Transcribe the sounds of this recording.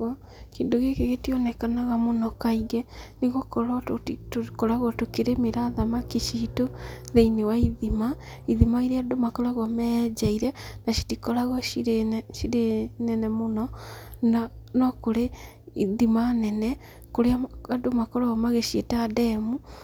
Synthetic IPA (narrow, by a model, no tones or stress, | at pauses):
keːndoɣekeɣetiɔnɛkanaɣamonɔkaiɣɛneɣokɔɾɔtotokɔɾaɣɔtokeɾemeɾaðamakiʃiːtoðeinewaiðima | iðimaiɾeadomakɔɾaɣamɛd͡ʒaiɾɛnaʃi̥tikɔɾaɣɔiɾeʃiɾenɛnɛmonɔnnɔkoɾe | iðimanɛnɛ | koɾeaadomakɔɾaɣamaɣeʃietadɛmu